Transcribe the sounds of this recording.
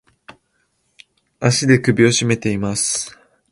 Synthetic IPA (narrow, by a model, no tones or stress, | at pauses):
aɕid̪e̞kɯ̟bʲio̞ɕime̞t̪e̞imasɨ̥